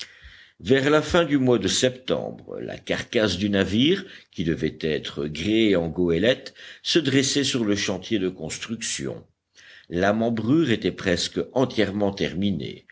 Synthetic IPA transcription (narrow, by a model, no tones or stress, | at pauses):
vɛʁlafɛ̃d̪ymwad̪əsɛpt̪ɑ̰̃bʁə̰la̰kaʁkasd̪ynaviːʁkʲid̪əvɛt̪ɛt̪χəɡʁeeɑ̃ɡoelɛt̪səd̪ʁesɛsyʁləʃɑ̃t̪jed̪əkɔ̃st̪χyksjɔ̰̃ | lamɑ̃bʁyːʁet̪ɛpχɛskɑ̃t̪jɛʁmɑ̃t̪ɛʁminḛ